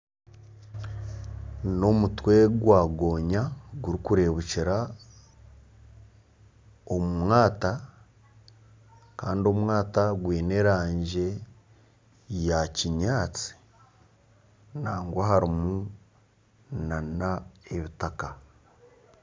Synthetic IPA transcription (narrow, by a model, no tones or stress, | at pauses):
no̞mutwe̞ɡwaːɡo̞ːɲaɡuɾikuɾe̞βuciɾa | o̞mumwaːta | kaːndio̞mwaːtaɡwiːne̞ːɾaːɲɟe̞ | jaciɲaːt͡si̥ | naːŋɡwaɦaɾimu | nanae̞βitaka